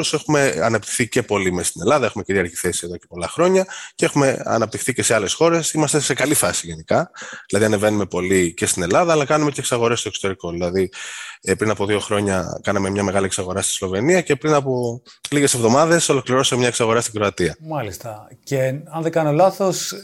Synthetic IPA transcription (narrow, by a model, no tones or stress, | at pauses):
use̞xume̞ɐ̰nɐpt̪i̥xθice̞po̞limest̪ine̞lɐðɐe̞xume̞ciɾiɐɾʝiθe̞sieðo̞ce̞po̞lɐxɾo̞ɲɐcee̞xume̞ɐ̰nɐp̚t̪ixθice̞se̞ɐle̞sxo̞ɾe̞simɐst̪e̞se̞kɐlifɐsiʝe̞nikɐðilɐðiɐne̞ve̞nume̞po̞lice̞st̪ine̞lɐðɐːlɐkɐnume̞ceksɐɣo̞ɾe̞st̪o̞kso̥t̪e̞ɾiko̞ðilɐðipɾinɐpo̞ðio̞xɾo̞ɲɐ̰kɐnɐme̞mɲɐme̞ɣɐlieksɐɣo̞ɾɐst̪i̥slo̞ve̞niɐce̞pɾinɐpo̞liɣese̞vðo̞mɐðe̞so̞lo̞kliɾo̞semɲɐeksɐɣo̞ɾɐst̪iɡɾoɐt̪iɐmɐlist̪ɐceɐnðeɡɐnolɐθos